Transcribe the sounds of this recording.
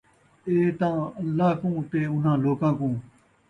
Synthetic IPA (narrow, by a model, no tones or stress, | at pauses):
ʔeːt̪ãŋlaːkuŋt̪eːʊ̃nãːloːkãkõŋ